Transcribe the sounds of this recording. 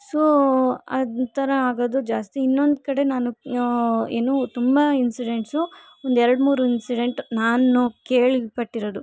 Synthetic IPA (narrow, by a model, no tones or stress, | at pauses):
soːɐd̪t̪ɐɾɐaːɡoːd̪ud͡ʒaːst̪iinːo̞nd̪kɐɽe̞naːnu | eːnuːt̪umbɐinsiɖe̞ɳʈsu | ond̪ɛɾɐɽmuːɾuinsiɖe̞ɳʈnaːnːukeːɭipɐʈːiɾod̪u